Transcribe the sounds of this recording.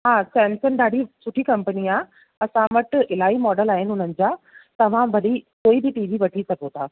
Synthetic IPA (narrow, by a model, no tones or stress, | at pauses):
ɦaːsɛːnsənɖaːɽ̤isʊʈʰikɐ̃mpəniaː | ɐsãʋɐʈɪlaːimɔːɖəlaːɦɪnɪɦʊn̤ənɪ̆d͡ʑaːt̪ɐʋ̤ãʋɐɗikoːibɪʈiːʋiʋɐʈʰisɐɡot̪ʰaː